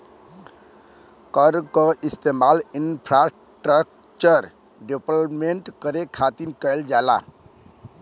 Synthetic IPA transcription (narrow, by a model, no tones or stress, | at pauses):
kəɾkəist̪emalinpʰɾas | ʈɾək | t͡ʃəɾ | ɖeplmeɳʈkəɾekʰat̪inkəɪld͡ʒala̰